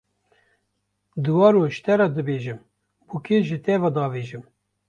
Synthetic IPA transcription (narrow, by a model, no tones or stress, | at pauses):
d̪ɨwɑːɾoʃt̪ɛɾɑd̪ɨbeːʒɨm | bukeʒɨt̪ɛvɑd̪ɑːveːʒɨm